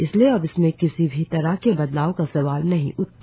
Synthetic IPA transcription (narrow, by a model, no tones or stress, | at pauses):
ɪslieɐbɪsmẽkɪsibʱit̪ɐɾaɦkebɐd̪laːokasɐʋaːlnɐɦḭ̃ʔʊt̪ː